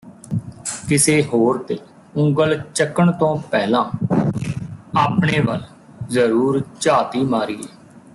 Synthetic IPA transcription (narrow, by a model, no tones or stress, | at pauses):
kɪseːɦoːɾt̪eː | ʊ̃ŋɡəlt͡ʃəkəɳt̪õːpɛːlãː | aːpɳeːʋə̰l | zəɾuːɾt͡ʃaːt̪iːmaːɾiːɛː